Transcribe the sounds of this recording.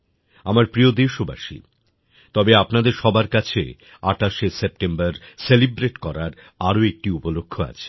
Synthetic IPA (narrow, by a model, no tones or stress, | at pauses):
amaɾpɾiod̪eʃoba̰ʃḭ | t̪ɔbeapnad̪eɾʃɔbaɾkat͡ɕʰḛ | aʈaʃesep̚ʈembaɾselibɾeʈkɔɾaɾ | aɾoek̚ʈiupolokʰːoa̰t͡ɕʰe̥